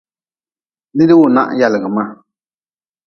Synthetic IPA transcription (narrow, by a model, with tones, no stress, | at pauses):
lɪ˦dɪ˦wʊ˨na̰˦ʔja˨lɪ˨ɡɨ˨maː˦˨